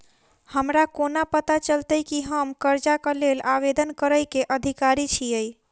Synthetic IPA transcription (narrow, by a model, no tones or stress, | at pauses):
həmɾakonapət̪at͡ʃəlt̪əjkiɦəmkəɾd͡ʒakəlelaʋed̪ənkəɾəjkeʔəd̪ʱikaɾit͡ʃʰiəj